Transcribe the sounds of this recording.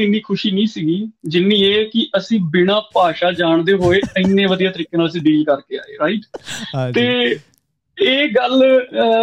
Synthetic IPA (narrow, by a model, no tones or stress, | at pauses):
ɪnːiːkʰʊʃiːnĩːsiːɡiːd͡ʒɪnːĩːeːkɪʔəsĩːbɪnãːpaːʃaːd͡ʒaːɳd̪eːɦoːeːənːẽːʋəd̪ijaːt̪əɾiːkeːnaːləsĩːɖɪliːkəɾkeːa̰ːḛːɾaːiʈt̪eː | eːɡəl